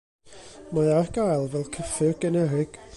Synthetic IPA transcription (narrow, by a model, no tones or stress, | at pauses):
mɔɨarɡajlˠvɛlˠkʰəfɪɡ̥ənɛɾɪɡ̥